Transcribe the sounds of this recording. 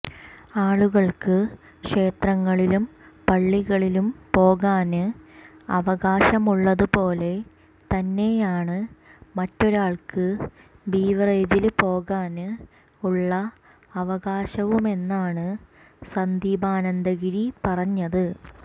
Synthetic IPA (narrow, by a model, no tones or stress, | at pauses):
aːɭuɣɐɭkɨ | kʂe̞ːt̪rɐŋːɐɭilumpɐɭːiɣɐɭilumpo̞ːɣaːnɨ | ɐ̰ʋɐɣaːɕɐmuɭːɐðɨpo̞ːle̞ | t̪ɐnːe̞jaːɳɨmɐtːo̞ɾaːɭkɨ | biːʋɐreːd͡ʑilpo̞ːɣaːnɨ | uɭːɐ | ɐʋɐɣaːɕɐʋume̞nːaːɳɨ | sɐnd̪iːbʱaːnɐnd̪ɐɣiɾipɐrɐɲːɐðɨ